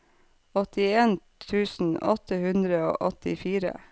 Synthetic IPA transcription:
ɔt̪ɪeːn | t̪ʰʉːsn̩ɔt̪əhʉnd̪ɾəo̰ːʔɔt̪ɪfiːɾə̰

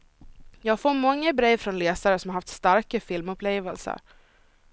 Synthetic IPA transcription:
jɑːɡfoːmɔŋːabɾɛjfɾɔnleːsaɾəsɔmhaɾhaft̪st̪aɾkəfɪlmɵpʰleːvəlsə̰ɾ

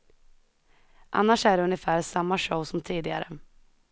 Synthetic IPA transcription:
ʔa̰nːaʂæɖɛɵnjɪfæːɾsamːaʂoʊsɔmt̪ʰiːd̪ɪɡa̰ɾə

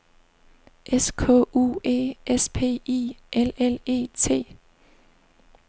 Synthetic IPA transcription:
ʔeskʰɔ̰ːṵːe̝̰ːespʰe̝̰ːḭːʔelele̝̰ːt͡sʰe̝̰ː

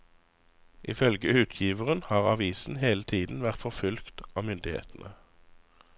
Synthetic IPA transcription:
ʔɪfœlɡəʉːt̪ʰjiːʋəʁənhɑːʁɑʋiːsn̩heːlət̪ʰiːd̪n̩ʋæʁt̪fɔʁfʉlkt̪ɑːmʏnd̪ɪhḛːt̪n̩ʔə

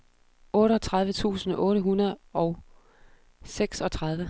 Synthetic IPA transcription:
ɔ̽ːɾəɒt͡sʰʁɑð̞ˠʋət͡sʰṵːsən̩ʔɔ̽ːɾəɦunɐð̞̩ˠɒ̽ʊ | seɡ̥sɒ̽t͡sʰʁɑð̞ˠʋə

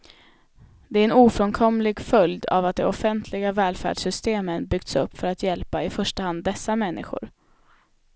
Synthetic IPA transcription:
d̪ɛæɾɛnuːfɾɔnkʰɔmlɪɡfœld̪a̰vat̪̚d̪ɛɔfɛnt̪ʰlɪɡavɛːlfæ̰ːɖʂsʏst̪eːmənbʏɡt̪sɵpːfœɾat̪jɛlpaɪfœʂʈahand̪ːɛsːamɛnːɪ̰ɧʊ̰ɾ

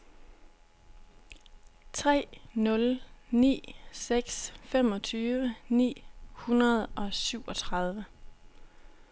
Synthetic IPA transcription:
t͡sʰʁɛ̰ːnɔ̽lnḭːseɡ̥sfem̰ɒ̽t͡sʰyːʋənḭːhunɐð̞ˠɒ̽syʊ̰ɒ̽t͡sʰʁɑð̞ˠʋə

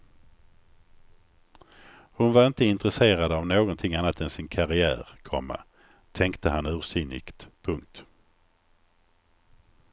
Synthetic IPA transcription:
hʊnvaɾɪnt̪əɪnt̪ɾɛseːɾad̪avnoːɡɔnt̪ʰɪŋːanːat̪ɛnsɪnkʰaɾɪæ̰ːɾkʰɔmːa̰ | t̪ʰɛŋkt̪əhanʉːɾsiːnɪ̰ɡt̪pʰɵŋk̚t̪

